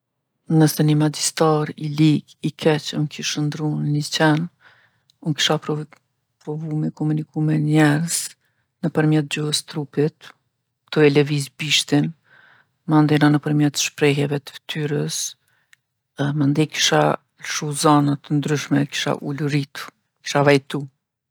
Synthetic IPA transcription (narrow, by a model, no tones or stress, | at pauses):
nəsɛnəmad͡ʒist̪aɾiliɡikʰɛt͡ɕunkʰiʃənd̪ɾunnət͡ɕɛn | unki̥ʃapɾ | pɾɔvumikɔmunikumɛnɲɛɾz | nəpəɾmjɛt̪̚d͡ʑɔhəst̪ɾupit̪ | t̪uɛlɛvizbiʃt̪in | mand̪ɛnanəpəɾmjɛt̪ʃpɾɛɦɛvɛt̪ə̥vt̪ʰyɾəs | mand̪iki̥ʃa | lʃuzanat̪ənd̪ɾyʃmɛki̥ʃa̰ʔuluɾit̪u | ki̥ʃavɛjt̪u